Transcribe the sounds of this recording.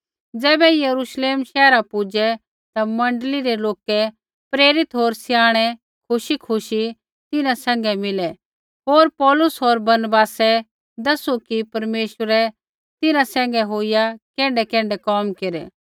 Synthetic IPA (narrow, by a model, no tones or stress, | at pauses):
d͡zɛːbɛjɐɾuʃleːmʃɛːɾapʊd͡ʒɛ | t̪amɐ̃ɳɖliɾɛloːkɛ | pɾeːɾɪt̪ɦoːɾsɪjaːɽ̃ɛ | kʰʊʃikʰʊʃi | t̪ɪnãsɛ̃ːŋ̆ɡɛmɪlɛ | ɦoːɾpɔːlʊsɦoːɾbɐɾnbaːsɛ | d̪ɐsukipɐɾmeːʃəɾɛ | t̪ɪnãsɛ̃ːŋ̆ɡɛɦoɪjakɛ̃ːɳɖɛkɛ̃ːɳɖɛkɔːmkeɾɛ̰ː